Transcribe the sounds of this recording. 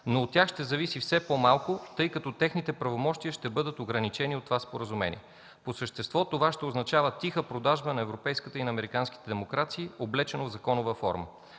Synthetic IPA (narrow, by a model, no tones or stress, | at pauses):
noːt̪tːʲjaxʃt̪ɛzɐvisifsɛpomalˠkʊt̪ɤjkɐt̪ɔt̪ɛxnit̪ɛpɾɐvomɔʃt̪iəʃt̪ɛbɤd̪ət̪oɡɾɐnit͡ʃɛniot̪ːovaspoɾəzumɛ̰nʲḭɛ | posəʃt̪ɛst̪vɔt̪ovaʃt̪ɛoznɐt͡ʃavət̪ixəpɾod̪aʒbənɐɛvɾopɛjskət̪əinɐːmɛɾikansk̟i̥t̪ɛd̪ɛmokɾat̪siːoblɛt͡ʃɛnovzɐkɔnʊvəfɔ̰ɾmə̰